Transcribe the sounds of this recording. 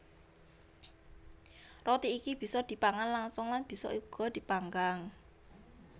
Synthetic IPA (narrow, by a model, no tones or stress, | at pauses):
rɔt̪iːkib̥i̤sɔd̪̥i̤paŋanlaŋsɔŋlanb̥i̤sɔ̰ʔuɡ̥ɔ̤d̪̥i̤paŋɡaŋ